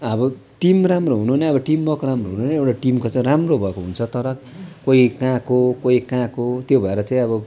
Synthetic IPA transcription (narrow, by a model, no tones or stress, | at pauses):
ʌbʌ | ʈimramroɦunuɦuneʌbʌʈimːʌkoɾamroɦunuɦunʌewʈaʈimkot͡saĩramrobʱʌekoɦunt͡sʰʌt̪ʌɾʌk | koikãkokoikãkot̪jobʱʌeɾʌt͡saĩʌbʌ